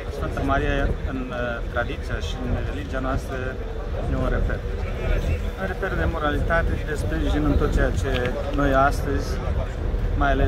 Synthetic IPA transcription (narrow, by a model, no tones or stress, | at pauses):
sfɨnt̪amaɾijaɨnt̪ɾad̪it̪sijaʃiɨnre̞lid͡ʒianoast̪ɾə | neoɾe̞fer | neɾe̞fe̞rd̪e̞mo̞ɾalit̪at̪ed̪e̞spɾiʒinɨnt̪ot̪̚t͡ʃejat͡ʃe̞ | no̞jast̪əzʲ | majale